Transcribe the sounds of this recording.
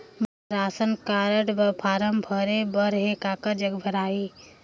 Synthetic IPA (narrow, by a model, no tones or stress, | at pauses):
bəɾaːsənkaːɾəɽbəpʰaːɾəmbʱəɾebəɾɦekaːkəd͡ʒɐɡbʱəɾaːi